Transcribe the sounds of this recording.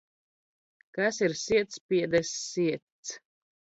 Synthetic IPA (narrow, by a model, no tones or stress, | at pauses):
kasiɾsiɛt̪spʲiɛd̪ɛsːiɛt̪s